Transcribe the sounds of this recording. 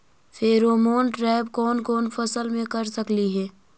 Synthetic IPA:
fʰeɾoːmoːnʈɾɛːb̚kɔːnkɔːnfɐsəlmẽkɐɾsɐkliɦɛː

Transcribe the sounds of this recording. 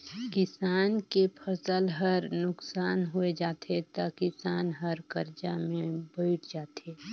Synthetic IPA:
kɪsaːnkepʰəsəlɦəɾnʊksaːnɦued͡ʒaːt̪et̪akɪsaːnɦəɾkəɾd͡ʒamẽbəɪʈʰd͡ʒaːt̪eː

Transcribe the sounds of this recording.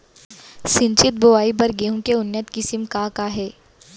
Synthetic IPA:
sɪ̃nt͡ʃɪt̪̚boʋaːibɐɾɡeːɦũkeʊnːjət̪kɪsɪmkaːkaɦɛː

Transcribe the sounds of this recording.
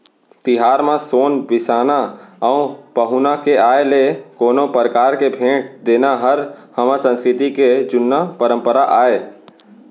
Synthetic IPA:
t̪ɪɦaːɾmãsoːnbɪsaːnaəũpəɦʊnakeaːelekoːnõpəɾəkaːɾkebʱẽːʈd̪eːnaɦəɾhəmãsə̃nskɾɪt̪iked͡ʒʊnːapəɾə̃mpəɾaʔaːeː

